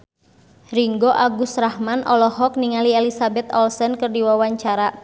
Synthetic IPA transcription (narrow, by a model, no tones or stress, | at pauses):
riŋɡɔʔaɡusrahmanʔɔlɔɦɔk̚niŋalielisabɛt̪ɔlsɛnkɨrdiwawaɲt͡ʃaɾa